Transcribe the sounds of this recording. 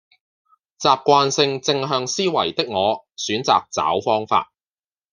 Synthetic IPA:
t͡saː˨˧p̚kʷaː˧nsɪ˧ŋt͡sɪ˧ŋɦœː˧ŋsiː˥wɐ˨˩jt̪ɪ˥k̚ŋɔː˨˧syː˨˥nt͡sa̰ː˨k̚t͡sa̰ː˨˥wfɔː˥ŋfa̰ː˧t̚

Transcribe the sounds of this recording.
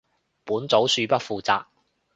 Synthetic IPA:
puː˨˥nt͡so˨˥wsyː˨˧pɐ˥t̚fuː˨˧t͡saː˧k̚

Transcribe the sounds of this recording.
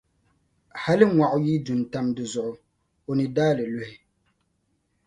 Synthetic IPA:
ha˦lɪ˦ŋwa˨ʔʊ˦ji˦du˨n˨ta˦mdɨ˨zʊ˨ʔʊ˨ | o˨nɨ˨daː˦lɨ˨lʊ˦hɪ˦

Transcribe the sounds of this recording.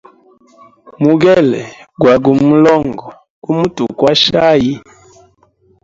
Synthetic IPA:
mu˨ɡɛ˦lɛ˨ɡwa˨ɡu˨mu˦lɔ˦ŋɡɔ˨ | ku˦mu˦tṵ˨kwa˦ʃa˦ji˦

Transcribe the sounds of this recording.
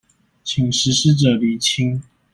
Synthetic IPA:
t͡ɕʰi˨˩ŋʂɻ̩˧˥ʂɻ̩˥˧ʈ͡ʂə˨˩li˨˩t͡ɕʰi˥ŋ

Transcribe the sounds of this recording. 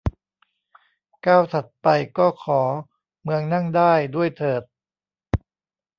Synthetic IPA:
kaː˥˩wt̪ʰa˨˩t̪̚pa˧jkɔː˥˩kʰɔː˩˦ | mɯ˧əŋna˥˩ŋdaː˥˩jdu˥˩əjt̪ʰɤː˨˩t̪̚

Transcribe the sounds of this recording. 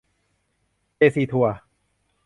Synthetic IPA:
t͡ɕeː˧˩siː˨˩t̪ʰu˧˩ɐ

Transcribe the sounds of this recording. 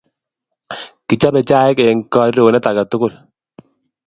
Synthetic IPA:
kɪ˨t͡ʃa˦bɛ˨t͡ʃa˦ɛ˦kɛ˨ŋkɔ˦ɾo˨nɛ˦ta˨ka˨tʊ˦kʊ˦˨l

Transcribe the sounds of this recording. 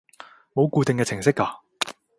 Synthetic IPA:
mo˨˧wkuː˧t̪e˨ŋkɛː˧t͡sʰɪ˨˩ŋsɪ˥kːaː˧

